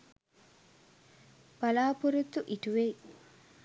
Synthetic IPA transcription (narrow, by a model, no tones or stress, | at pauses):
b̥ɐlaːpuɾut̪ːuʔiʈuʋei